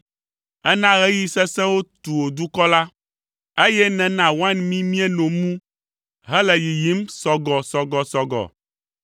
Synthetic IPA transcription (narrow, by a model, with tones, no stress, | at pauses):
ɛ˦nã˦ɣe˦ji˦sɛ˦sɛ̃˦wo˦t̪u˨wo˨d̪u˦kɔ˦la˦ | e˦jɛ˦nɛ̃˨nã˨wa˦nmĩ˦mĩ˦ɛ˦nõ˨mũ˦ | ɦɛ˦lɛ˨ji˨ji˨˦msɔ˨ɡɔ˨sɔ˨ɡɔ˨sɔ˨ɡɔ̰˨